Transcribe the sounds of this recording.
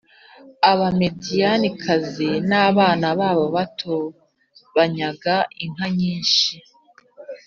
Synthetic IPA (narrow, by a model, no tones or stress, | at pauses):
aβame̞dijanikʰazenaːβaːnaβaːβoβatʰo | βaɲaɡaʔiŋ̥aɲiːnʃi